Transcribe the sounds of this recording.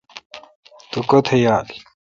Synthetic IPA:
t̪ukot̪ʰejaːli

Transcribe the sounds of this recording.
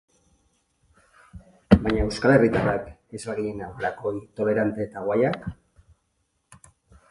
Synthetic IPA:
bajɲaewskale̞rit̪arake̞zlaɣiɲenawɣeɾako̞it̪o̞le̞ɾant̪e̞ːt̪aɣwajak

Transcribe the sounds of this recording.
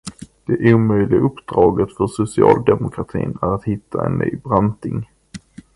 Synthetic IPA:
d̪̥ɛʔuːmœjlɪɡaʔɵpd̪ɾɑːɡət̪fœʂʊsɪɑːld̪ɛmʊkʰɾat̪ʰḭːnæɾat̪hɪt̪ʰːaɛ̰nːʔyːbɾant̪ɪŋ

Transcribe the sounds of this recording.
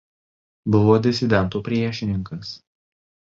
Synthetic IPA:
bʊʋoːd̪ʲɪsʲɪd̪ʲɛnˑt̪uːpʲɾʲiɛʃʲɪnʲɪŋkɐs

